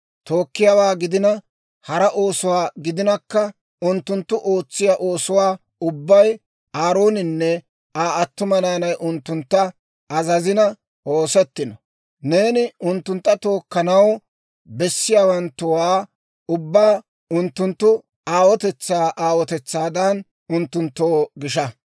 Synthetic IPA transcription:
t̪o̞ːkːɪjaːwaːɡɪd̪ɪnɐ | hɐɾɐʔo̞ːsʊwaːɡɪd̪ɪnɐkːɐ | ʊnt̪ːʊnt̪ːʊʔo̞ːt͡sːɪjaʔo̞ːsʊwaː | ʊbːɐj | aːɾo̞ːnɪnːɛ | aːɐt̪ːʊmɐnaːnɐjʔʊnt̪ːʊnt̪ːɐ | ʔɐzɐzɪnɐ | ʔoːsɛt̪ːɪnɔ | ne̞ːnɪʊnt̪ːʊnt̪ːɐt̪o̞ːkːɐnɐw | bɛsːɪjaːwɐnt̪ːʊwaː | ʊbːaː | ʊnt̪ːʊnt̪ːʊ | aːwɔt̪ɛt͡sːaːʔaːwɔt̪ɛt͡sːaːd̪ɐn | ʊnt̪ːʊnt̪ːoːɡɪʃɐ

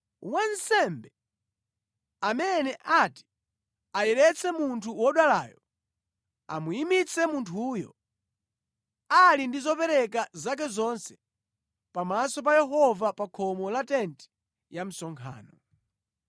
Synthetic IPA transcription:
wansɛmbɛ | amɛnɛʔati̥ | ajɛɾɛt͡sʰɛmuntʰuwɔɗala̰ːjɔ | a̰muimit͡sʰɛmuntʰuːjɔ̰ | alindizɔpɛɾɛkazak̬ɛzɔnsɛ̥ | pamasɔp̬ajɛɦɔvapakʰɔmɔlatɛntɛ̥ | jam̩sɔŋkʰa̰ːnɔ

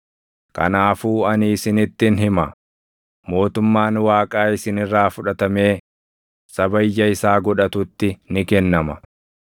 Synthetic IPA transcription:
kɐ̰naːfuːɐnːsɪnɪt̪ːɪnɦɪmɐ | mo̞ːt̪ʊmːaːnwaːkʼaːɪsɪnɪrːaːfʊᶑɐt̪ɐme̞ː | sɐbɐjːɐɪsaːɡɔᶑɐt̪ʊt̪ːɪnɪkɛnːɐmɐ

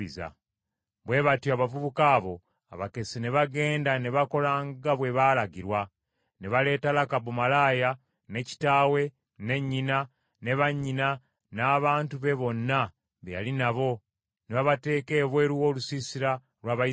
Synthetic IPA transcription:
iza̰ | βwe̞βatjoaβavuβukaːβo̞ | a̰βake̞sine̞βaɡe̞ːndane̞βako̞laːŋɡaβwe̞βaːlaɡiɾwa | neβale̞ːtalakabumalaːja | ne̞ci̥taːwe̞ | ne̞ɲːina | neβaɲːina | naːβaːntuβe̞βo̞nːa | βeja̰linaβo̞ | neβaβate̞ːke̞ːβwe̞ːɾuwo̞ːlusisiɾa | lwaːβa

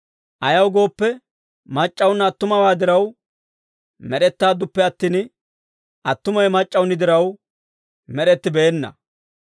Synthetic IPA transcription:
ʔɐjɐwɡo̞ːpːɛ | mɐt͡ʃʼːɐwnːɐːt̪ːʊmɐwaːd̪ɪɾɐw | mɛɾɛt̪ːaːd̪ʊpːɛɐt̪ːiːn | ʔɐt̪ːʊmɐjmɐt͡ʃʼːɐwnɪd̪ɪɾɐw | mɛɾɛt̪ːɪbeːnːɐ̰

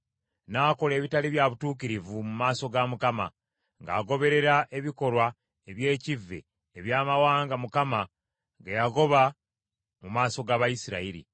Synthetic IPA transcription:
naːko̞le̞ːβitaliβjaβutuːkiɾivumumaːso̞ɡamukama | ŋɡa̰ːɡo̞βe̞ɾe̞ɾaʔe̞βiko̞lwa | eβje̞ːcivːe̞̰ː | βjaːmawaːŋɡamukama | ŋɡajaɡo̞βa | mumaːso̞ɡaβajisiɾaiɾḭ

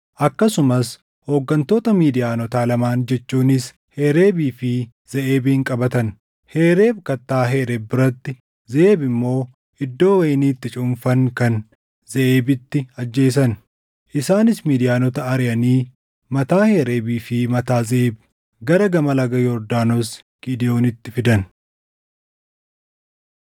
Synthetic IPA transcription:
ʔɐkːɐsʊmɐs | ho̞ːɡːɐnt̪o̞ːt̪ɐmiːd̪ɪjaːnɔt̪aːlɐmaːnd͡ʒɛt͡ʃːuːnɪs | he̞ːɾe̞ːbiːfɪ | z̥ɐʔeːbɪhɪŋkʼɐbɐt̪ɐn | he̞ːɾe̞ːbkɐt̪ːaːɦe̞ːɾebːɪɾɐt̪ːɪ | zeːbɪmːo̞ː | ʔɪd̪ːo̞ːwɐjɪniːt̪ːɪt͡ʃʼʊɱfɐŋkɐn | zɐʔeːbɪt̪ːɪɐd͡ʒːe̞ːs̬ɐn | ʔɪsaːnɪsmiːd̪ɪjaːnɔt̪ɐɐɾɪjɐniː | mɐt̪aːhe̞ːɾe̞ːbiːfɪmɐt̪aːzeʔeːb | ɡɐɾɐɡɐmɐlɐɡɐjɔɾd̪aːnos | ɡ̥id̪ɪjo̞ːnɪt̪ːɪfɪd̪ɐn

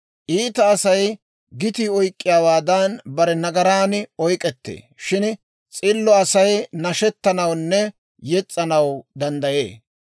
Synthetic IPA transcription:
ʔiːt̪ɐːsɐj | ɡɪt̪iɔjkʼːɪjaːwaːd̪ɐnbɐɾɛnɐɡɐɾaːnɔjkʼɛt̪ːḛː | ʃɪn | t͡sʼɪlːɔɐsɐjnɐʃɛt̪ːɐnɐwnːɛ | jɛt͡sʼːɐnɐwd̪ɐnd̪ɐjḛː

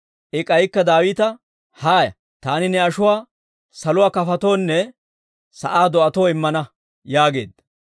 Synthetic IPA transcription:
ʔɪkʼɐjkːɐd̪aːwɪːt̪ɐ | haːjɐ̰ | t̪aːnɪnɛɐʃʊwaː | sɐlʊwaːkɐfɐt̪oːnːɛ | sɐʔaːd̪ɔʔɐt̪oːɪmːɐnɐ | jaːɡe̞̰ːd̪ːɐ

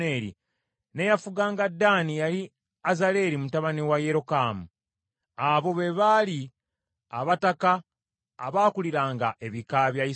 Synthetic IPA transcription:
eɾḭ | nejafuɡaːŋɡadːanijali | azale̞ɾimutaβaniwajeɾo̞kaːmu | aβo̞βeβali | a̰βatakaː | βaːkuliɾaːŋɡaʔe̞βikaβjaji

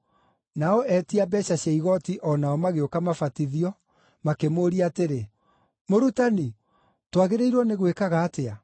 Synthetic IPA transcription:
naɔɛtiabɛɕaɕeiɣɔtiʔɔnaɔmaɣeokamafatiðiɔ | makemoːɾiateɾe | moɾutani | twaɣeɾeiɾwɔneɣwekaɣaːtea

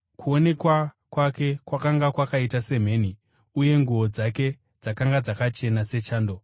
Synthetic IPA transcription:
kuo̞ne̞kwa | kwake̞kwakaŋɡakwakaitase̞m̤e̞ːni | uje̞ŋɡuo̞d͡zake̞ | d͡zakaŋɡad͡zakat͡ʃe̞nase̞t͡ʃaːndo̞

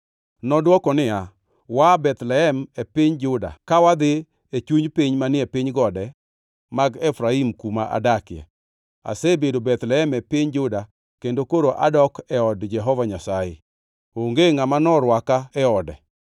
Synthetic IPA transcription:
nɔdwɔkɔnɪa | wabɛt̪lɛɦɛmɛpɪɲd͡ʒʊda̰kawad̪ɪ | et͡ʃuɲpiɲmanɪɛpɪɲɡɔdɛ | maɡɛfɾaimkumaʔa̰dakɪɛ̰ | a̰sebedobɛt̪lɛɛmɛpɪɲd͡ʒʊda | kendokoɾoʔa̰dɔkɛɔdd͡ʒɛɦɔvaɲasajḛ | oŋɡeŋamanɔɾwakaɛɔdɛ̰

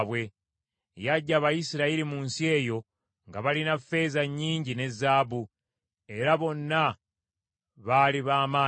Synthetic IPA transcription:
βwe̞ | jaɟːaβajisiɾaiɾimuːnsie̞ːjo̞ | ŋɡaβalinafːe̞ːzaɲːiːɲɟine̞zːaːbu | e̞ɾaβo̞nːa | βaliβaːmaː

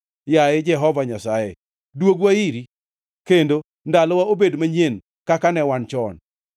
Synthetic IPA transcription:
jaɪd͡ʒɛɦɔvaɲasajḛ | dwoɡwaiɾi | kendo | ndalɔwaobedmaɲen | kakanɛwant͡ʃɔn

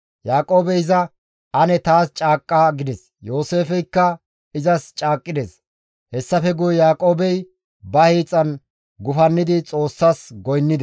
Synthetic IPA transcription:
jaːkʼo̞ːbɛjɪzɐ | ʔɐnɛt̪aːst͡ʃʼaːkʼːaɡɪd̪ɛs | jo̞ːse̞ːfɛjkːɐ | ɪzɐst͡ʃʼaːkʼːɪd̪ɛs | hɛsːɐfɛɡʊjɛjaːkʼo̞ːbɛj | bɐhiːt͡sʼːɐn | ɡʊfɐnːɪd̪ɪt͡sʼo̞ːsːasɡɔjnːɪd̪ɛ

